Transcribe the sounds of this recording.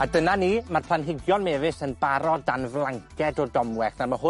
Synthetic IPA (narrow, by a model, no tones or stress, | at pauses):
adənaniːmarpʰlˠanɦɪɡjɔnmeːvɪsənbaɾɔdanvlˠaŋkʰɛdɔdɔmwɛχnarmaɦʊ